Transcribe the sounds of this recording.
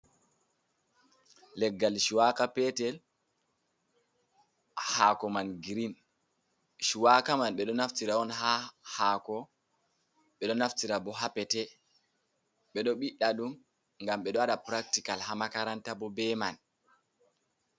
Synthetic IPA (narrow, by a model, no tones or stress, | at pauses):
lɛɡːalʃiwakapɛtɛl | hakɔmanɡiɾin | ʃiwakamanɓɛɗɔnaftiɾaɔnɦahakɔ | ɓɛɗɔnaftiɾabɔɦapɛtɛ | ɓɛɗɔɓiɗːaɗum | ŋɡamɓɛɗɔaɗapɾak̚tikalhamakaɾantabɔbɛman